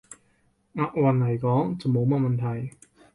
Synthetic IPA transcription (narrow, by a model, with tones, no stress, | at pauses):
ŋaː˨˧t̚wɐ˨nlɐ˨˩jkɔː˨˥ŋt͡sɐ˨˩wmo˨˧wmɐ˥t̚mɐ˨nt̪ʰɐ˨˩j